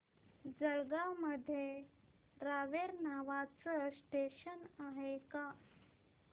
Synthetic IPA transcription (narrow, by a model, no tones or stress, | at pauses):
d͡zəɭɡaməd̪ʱːje | ɾaʋeɾnaʋat͡səsʈeɕənaɦeka